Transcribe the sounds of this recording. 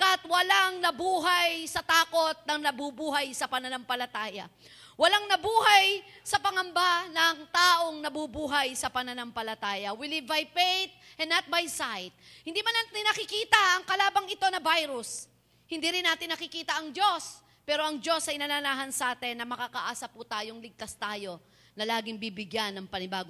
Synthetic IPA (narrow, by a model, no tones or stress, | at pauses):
kɐat̪wɐlaŋnɐbuːɦajsɐt̪aːko̞t̪̚nɐŋnɐbubuːɦɐjsɐpɐnɐnɐŋpɐlɐt̪aːjɐ̰ | wɐlaŋnɐbuːɦɐj | sɐpɐŋɐmbanɐŋt̪aːʔo̞ŋnɐbubuːɦɐjsɐpɐnɐnɐmpɐlɐt̪aːjɐwɪlivbɐjpejt̪̚ʔɛnːɐt̪̚bajsajt̪̚hɪ̃nd̪iːmɐnaɪnɐkɪkiːt̪ɐʔɐŋkɐlaːbɐŋɪt̪o̞nɐbajɾʊs | hɪnd̪iːɾɪnːaːt̪ɪnːɐkɪkiːt̪ɐʔɐŋd͡ʒo̞s | pɛːɾo̞ʔɐŋd͡ʒo̞sɐjnɐnɐnaːɦɐnsɐʔaːt̪ɪnːɐmɐkaːkɐʔaːsɐput̪aːjoŋlɪɡ̚t̪ast̪aːjo̞ | nɐlaːɡɪŋbiːbɪɡjanːɐŋpɐnɪbaːɡo